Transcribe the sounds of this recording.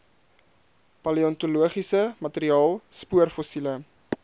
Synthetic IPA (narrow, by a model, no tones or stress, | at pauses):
pɐliɔntuluəχisəmɐteɾiɑːlˠspuərfosilə